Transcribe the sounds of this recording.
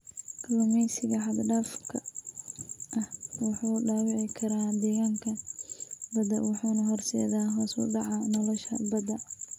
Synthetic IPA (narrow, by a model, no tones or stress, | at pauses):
kʰlɔmɛjsɪɣɐħɑd̪ɖaːfkʰɐ | ʔɐhwɑħɑʊɖaːwɪʕɪkʰɐɾaːd̪ɛːɣaːŋkʰɐ | bɐd̪ɐ̰wɑħuːnɐɦɔrsɛ̰ːðaːɦɐsṵɖɑʕɑnɔlɔʃɐ̰bɐd̪ɐ